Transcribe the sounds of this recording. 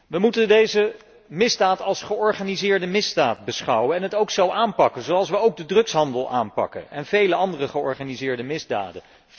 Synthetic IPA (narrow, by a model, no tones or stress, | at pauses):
ʋəmutəndejzə | mɪzdaːtɑlˠsχəɔɹχaːnizɪːɹdəmɪzdaːt̚bəsχɑwənɛnɦətowksowʔaːnpɑkənzowɑlˠs̬ʋəowɡ̚dədrɵksɦɑndəlˠa̰ːnpɑ̰kə̰ɛnv̥ejləɑndərəχəɔɹχaːnizɪːɹdəmɪzda̰ːdə